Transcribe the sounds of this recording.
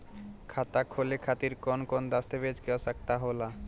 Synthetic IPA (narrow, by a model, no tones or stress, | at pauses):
kʰat̪akʰolekʰat̪iɾkɔnkɔnd̪ast̪ebed͡ʑkeasakt̪aɦola